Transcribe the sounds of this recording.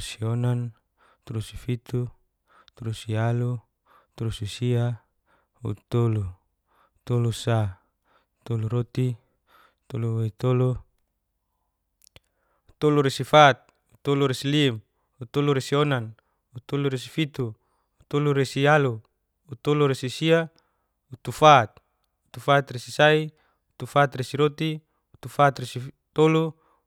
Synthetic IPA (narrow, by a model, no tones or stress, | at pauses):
sionan | t̪ulusifit̪u | t̪ulusialu | t̪ulususia | ṵt̪olu | t̪olusa | t̪oluɾot̪i | t̪oluweit̪olu | ut̪oluɾesifat̪̚ | ut̪oluɾesilim | ut̪oluɾesionan | ut̪oluɾesifit̪uː | t̪oluɾesialuː | t̪oluɾesisia | ut̪ufat̪̚ | ut̪ufat̪resisai | ut̪ufat̪resiɾot̪i | ut̪ufat̪resi | t̪olu